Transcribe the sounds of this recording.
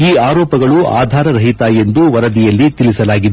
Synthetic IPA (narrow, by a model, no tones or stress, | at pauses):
iːaːɾɔːpɐɡɐɭua̰ːd̪ʱaːɾɐɾɐɦit̪aːje̞nd̪uʋɐɾɐd̪ijɐlːit̪ilisɐlaːɡid̪e